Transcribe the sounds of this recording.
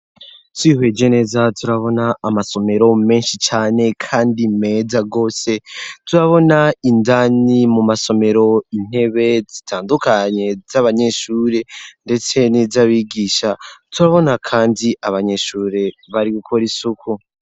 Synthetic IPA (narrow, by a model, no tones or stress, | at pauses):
twiːɦwe̞ːd͡ʒe̞ne̞ːzatuɾaβo̞naːmaso̞me̞ɾo̞me̞ːnʃit͡ʃaːne̞kʰaːndime̞ːzaɡo̞ːse̞tuɾaβo̞naindanimumaso̞me̞ɾo̞in̥he̞βe̞zitʰaːndukaɲe̞zaβaɲe̞ʃuːɾe̞nde̞t͡se̞nizaβiɡiːʃatuɾaβo̞nakʰaːndiʔaβaɲe̞ʃuːɾe̞βaɾiɡukʰoɾisukʰu